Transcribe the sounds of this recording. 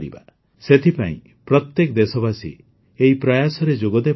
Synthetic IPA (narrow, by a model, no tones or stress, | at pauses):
ɾiba̰ | set̪ʰipaḭ̃ | pɾɔt̪jekd̪esɔbasḭ | eipɾajasɔɾed͡ʒoɡɔd̪e